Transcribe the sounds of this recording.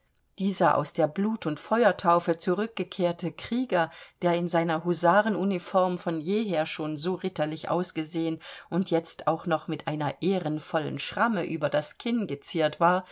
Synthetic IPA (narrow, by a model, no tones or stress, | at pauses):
d̥iːzɐʔa̰ʊsd̥eːɐbluːtʰʊntfɔʏɐtʰaʊfət͡suʁʏk̚ɡ̥əkʰeːɐtʰəkʁ̥iːɡɐd̥eːɐɪnzaɪnɐɦuzaːʁənʔunifɔɐmfɔnjeːɦeːɐʃoːnzoːʁɪtɐlɪçʔa̰ʊsɡ̥əzeːənʔʊntjɛt͡sta̰ʊxnɔχmɪtʔaɪnɐʔeːʁənfɔlə̰nʃʁ̥aməʔyːbɐdaskʰɪnɡət͡siːɐtv̥aːɐ